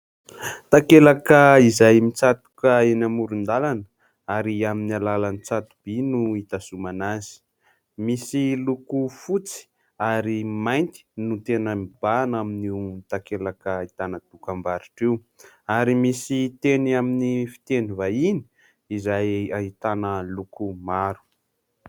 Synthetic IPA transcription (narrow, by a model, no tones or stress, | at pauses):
t̪akelakəizajmit͡sat̪u̥kəenamuɾund̪alanə̥ | aɾiaminialalanit͡sat̪ub̥inuit̪asumanazi̥ | misilukufut͡si̥ | aɾimajnt̪i̥nut̪enəmib̥anaminit̪akelakəit̪anəd̪̥ukambaɾiʈ͡ʂew | aɾimisit̪eniaminifi̥t̪enivaini̥ | izajaɦit̪anəlukumaɾu̥